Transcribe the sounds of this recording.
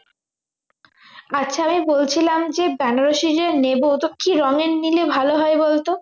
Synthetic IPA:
aːɕʰaamibolt͡ɕʰilamd͡ʑebɛnɾoʃiɾeɾnebod̪okʰːiɾɔŋeɾnilebʱaloɦɔebolt̪o

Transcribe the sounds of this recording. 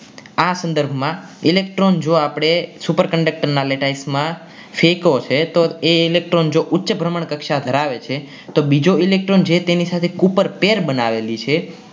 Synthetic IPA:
asə̃nd̪əɾbʱmãilekʈɾond͡ʒoapɽ̃esupəɾkəɳɖək̚ʈəɾnaleʈaismã | fʰekot͡ʃʰet̪oeilek̚ʈɾond͡ʒoʔʊtːʃəbʱɾəməɳkəkʃad̪ʱəɾaʋet͡ʃʰe | t̪obid͡ʒoilek̚ʈɾond͡ʒʰet̪enisat̪ʰekupəɾpeɾbənaʋelit͡ʃʰe

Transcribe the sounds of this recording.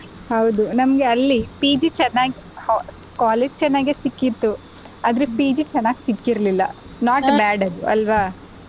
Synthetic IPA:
hɐwd̪unɐmɐɡe̞ɐlːipiːd͡ʒit͡ʃɛnːaːɡihkaːleːd͡ʒt͡ʃɛnːaːɡeːsikːit̪ːu | aːd̪ɐɾepiːd͡ʒit͡ʃɛnːaːɡisikːiɾɐlilːɐ̰ | naːʈbaːɖɐd̪uʔɐ̰lʋaː

